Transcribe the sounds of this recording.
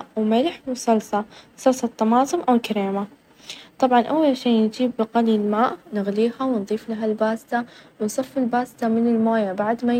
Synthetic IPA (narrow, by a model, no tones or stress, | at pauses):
wmɪlħmʊsˤɑlsˤɑsˤɑlsˤɑt̪ˤːɑmɑːsˤʊmʔawlkaɾeːma | t̪ˤɑbʕɑnʔawːalʃiːnd͡ʒiːbːɪqalilmaːʔnɪɣliːhawɪnðˤiːflaɦalbaːst̪awɪnsˤɑfːɪlbaːst̪amɪnɪlmaːjabaʕd̪ma